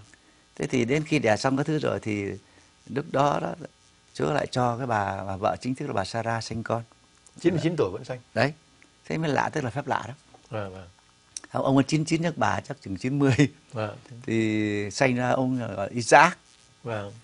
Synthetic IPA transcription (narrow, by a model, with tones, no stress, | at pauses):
t̪ʰe˨˦t̪ʰi˨˩ɗe˨˦nxi˧ɗɛ˨˩sa˧wŋ͡mkaː˨˦t̪ʰɨ˨˦zo̰˨˩jt̪ʰi˨˩ | ɗɨ˦˥k̚ɗɔ˨˦ɗɔ̰˨˦ | t͡ɕu˨˦əla̰ː˧˨jt͡ɕɔ˧kaː˨˦jɓaː˨˩aː˨˩və̰ː˧˨t͡ɕï˨˦ŋ̟ʰɨ˦˥kla˨ɓaː˨˩saː˧zaː˧sa˧jŋ̟kɔ˧n | t͡ɕi˨˦nmɨ˧˩t͡ɕi˨˦nt̪u˧˩ə˨və̰˧˥nsa˧jŋɗə˨˦j | sa̰˧˦ŋ̟fɛ˦˥la̰ː˧˨t̪ə˦˥k̚laː˨˩fɛ˦˥p̚la̰ː˧˨ɗɔ˨˦˨ | ha˧˨wʔə˧wʔə˨˦nt͡ɕi˨˦nt͡ɕi˨˦nɲə˦˥t̚ɓaː˨˩t͡ɕa˦˥k̚t͡ɕɨ˨˩ŋt͡ɕi˨˦nmɨ˧əj | t̪ʰi˨˩sa˧jŋ̟zaː˧ʔə˧wŋ͡mɣɔ̰˧˨la˨ʔi˧˦sʔaː˦˥k̚ | vaː˧˨˩